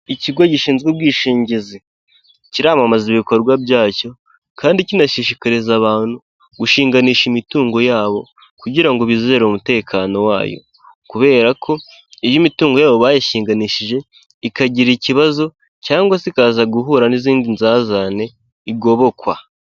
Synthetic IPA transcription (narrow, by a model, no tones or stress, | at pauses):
iciɡwaɟiʃiːnzɡubɡiːʃiːɲɟizi | ciɾaːmamaziβiko̞ɾɡwabjaːco̞ | kaːndicinaʃiʃikaɾezaβaːn̥hu | ɡ̥uʃiːŋɡaniːʃimituːŋɡo̞jaːβo̞ | kuɟiɾaŋɡoβizeɾomute̞ːkʰaːno̞wa̰ːjo̰ | kuβe̞ːɾakʰo̞ | ejimituːŋɡo̞jaːβo̞βaːjaʃiːŋɡaniːʃiʒe̞ | ikaɟiɾiciβazo̞ | caːŋɡwasikaːzaɡuɦuːɾaniziːndinzazane̞ | iɡo̞βo̞kwa̰